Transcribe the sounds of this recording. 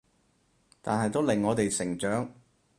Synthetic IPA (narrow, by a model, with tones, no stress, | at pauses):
t̪aː˨nɦɐ˨jt̪o˥wlɪ˨˩ŋːɔː˨˧t̪e˨jsɪ˨˩ŋt͡ʃœː˨˥ŋ